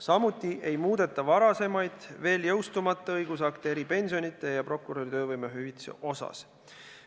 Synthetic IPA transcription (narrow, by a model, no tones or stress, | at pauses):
sɑmut̪ʲˑːiʔe̞jmuːd̪̥e̞t̪ːˑɑvɑɾɑse̞mɑjd̪̥ve̞ːljɤwst̪umɑt̪ːˑɑɤjɡ̥usɑkt̪eeɾipe̞nʲsio̞nʲit̪ːˑe̞jɑpro̞kːuɾo̞ɾit̪ø̞ːvɯjmeɦyvit̪sḛʔo̞sɑ̰s